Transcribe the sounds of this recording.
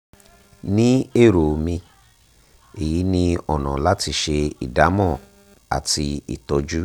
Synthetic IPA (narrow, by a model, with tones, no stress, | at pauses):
nĩ˦e˦˨ɾo˨mĩ˧ | e˨ji˨˦nĩ˧ɔ˨nɔ̰̃˨la˦ti˧ʃe˧ḭ˨da˨˦mɔ̃˦˨ | a̰˨ti˧ḭ˨tɔ˧d͡ʒu˦